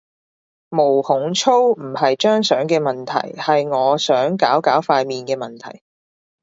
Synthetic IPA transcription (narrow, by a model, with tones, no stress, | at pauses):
mo˨˩whʊ˨˥ŋt͡sʰo˥wm̩˨˩hɐ˨jt͡ʃœː˥ŋsœː˨˥ŋkɛː˧mɐ˨˩nt̪ʰɐ̰˨˩jhɐ˨jŋɔː˨˧sœː˨˥ŋkaː˨˥wkaː˨˥wfaː˧jmiː˨nkɛː˧mɐ˨nt̪ʰɐ̰˨˩j